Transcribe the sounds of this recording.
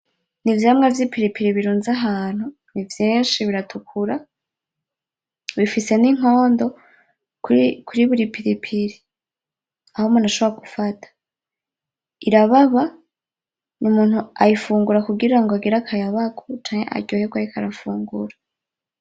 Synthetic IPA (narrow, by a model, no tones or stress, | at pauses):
nivjamŋavjipiɾipʰiɾiβiɾuːnzaɦaːn̥hu | nivjiːnʃiβiɾatʰukʰuɾa | βifise̞niŋ̥o̞ːndo̞ | kʰuɾiβuɾipʰiɾipʰiɾi | ahomunaʃo̞βoɾaɡufatʰḁ | iɾaβaβa | nʔumuːn̥huajifuːŋɡuɾakuɡiɾaŋɡoaɡiɾakʰajaβaɡot͡ʃaːŋ̥ḛʔa̰ɟohekɡwaɾikʰaɾafuːŋɡṵɾa